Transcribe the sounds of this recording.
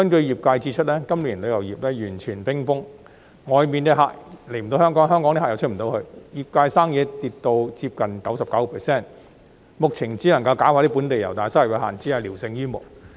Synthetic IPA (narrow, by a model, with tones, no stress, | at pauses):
kɐ˥nkɵ˧ɥjiː˨p̚kaː˧jt͡siː˧˥t͡ʃʰɵ˥t̚lɛː˥kɐ˥mliː˨˩nlɵ˨˧jɐ˨˩wjiː˨˩p̚lɛː˥jyː˨˩nt͡ʃʰyː˨˩npɪ˥ŋfʊ˥ŋ | ŋɔː˨˧jmiː˨nt̪ɛ˧˥ɦa̰ː˨k̚le˨˩jm̩˨t̪o˧˥whœ˥ŋkɔː˨˥ŋɦœː˥ŋkɔː˨˥t̪i˥aː˨jwʰtm̩˨˩t̪o˨˧wkʰɵ˧ɥjiː˨˩p̚kaː˧jsaː˥ŋjɛː˨˧t̪iː˧t̚t̪o˧wt͡siː˧p̚kɐ˨nkɐ˨˥wsɐ˨p̚kɐ˨˥wpʰɛ˨˩sɛː˥˩n | mʊ˨k̚t͡sʰɪ˨˩ŋt͡siː˨˥lɐ˨˩ŋkɐ˧wkaː˨˥whaː˨˧˥t̪i˥p̬uː˨˥nt̪e˨jɐ˨˩wt̪aː˨˩jswɛ˨˧˩ɦa̰ː˨˩nt͡siː˨˥ɐ˨˧liː˨˩wsɪ˧ŋjyː˥mʊ̰˨˩k̚